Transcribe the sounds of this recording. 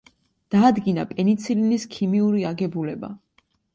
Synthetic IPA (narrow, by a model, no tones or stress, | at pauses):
d̪̥aːd̪ɡina̰pʼɛnit̪sʰiliniskʰimiuɾiaɡɛbulɛba̰